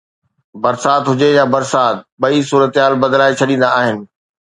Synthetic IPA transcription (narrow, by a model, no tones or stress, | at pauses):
bɐɾsaːt̪ɦʊd͡ʑejabɐɾsaːt̪̚ɓɐisuːɾət̪ɪɦaːlbɐd̪laːet͡ɕʰɐɗĩːn̆d̪aːɦɪnɪ̆